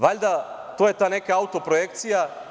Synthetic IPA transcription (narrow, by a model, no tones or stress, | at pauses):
ʋaʎd̪at̪oːje̞t̪aːne̞kaaut̪o̞pɾojekt̪sija